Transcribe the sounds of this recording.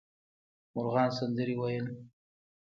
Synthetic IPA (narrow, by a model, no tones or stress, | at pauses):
mʊɾɣɑnsand̪əɾiwajəl